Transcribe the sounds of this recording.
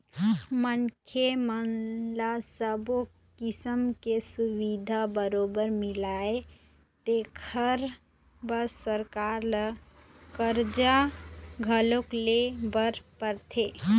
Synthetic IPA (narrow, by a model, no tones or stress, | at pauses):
mənkʰemənlasəbo | kisəmkesuwid̪ʱabəɾobəɾmilae | t̪ekʰəɾ | bəsːəɾkaɾlə | kəɾd͡ʒaɡʱəloklebəɾpəɾt̪ʰe